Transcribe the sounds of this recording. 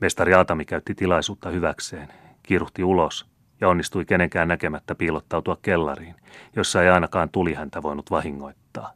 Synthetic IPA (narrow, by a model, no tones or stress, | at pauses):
mest̪ɑriɑːt̪ɑmikæyt̪ːit̪ilɑisuːt̪ːɑhyʋækseːn | kiruht̪iulos | jɑonːist̪uikeneŋkæːnnæke̞mæt̪ːæpiːlot̪ːɑwt̪uɑkkːelːɑ̰riːnjosːɑejɑinɑkɑːnt̪ulihænt̪æʋo̞inut̪ʋɑhiŋːoit̪ːɑː